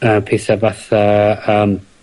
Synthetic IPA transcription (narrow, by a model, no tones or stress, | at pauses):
əːpʰesavaθaəːm